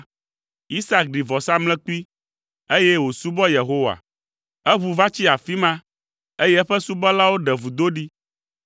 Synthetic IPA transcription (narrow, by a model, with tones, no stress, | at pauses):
i˦sa˦k̚ɖi˨vɔ˨sa˦mlɛ̃˦ki˦ | e˦jɛ˦wo˨su˦bɔ˦je˨ɦo˦wa̰˨ | ɛ˦βu˨va˦t͡ɕi˦a˨fi˦mã˦ | e˦jɛ˦ɛ˦ɸɛ˦su˦bɔ˦la˦wo˦ɖɛ˨vu˨d̪o˦ɖi˦